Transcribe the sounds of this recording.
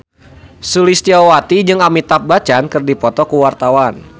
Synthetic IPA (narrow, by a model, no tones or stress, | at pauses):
sulist̪iawat̪id͡ʒɨŋamit̪ap̚bat͡ʃankɨrdipɔt̪ɔkuwart̪awan